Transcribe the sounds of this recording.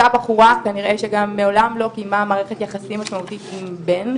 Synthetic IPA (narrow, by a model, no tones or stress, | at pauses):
abaχuʁakaniʁʔe̞ʃeɡamːeo̞lamlo̞kijmamaːʁeχet̪jaχasimaʃmaut̪it̪imben